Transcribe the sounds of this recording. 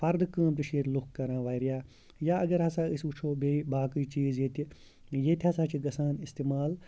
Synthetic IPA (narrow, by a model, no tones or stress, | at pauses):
pɐɾd̪kə̃ːmt̪iʃeːɾlukkːɐɾãːʋaːiɾijaː | jaːɐɡɐɾɦɐsaːisut͡ʃʰoːbeːbaːkɨːt͡ʃiːzjet̪i | jet̪ʲiɦɐsaːt͡ʃʰiɡɐsãːnist̪eːmaːl